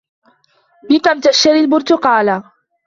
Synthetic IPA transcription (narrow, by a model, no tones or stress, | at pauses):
bɪkamt̪aʃaɾɪlbʊɾt̪ʊqɑːla